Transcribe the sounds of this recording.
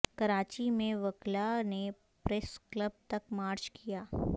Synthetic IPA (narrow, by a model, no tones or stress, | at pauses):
kɐɾaːt͡ʃimẽʋəklane | pɾeskləb̚t̪ɐkmaːɾd͡ʒkijaː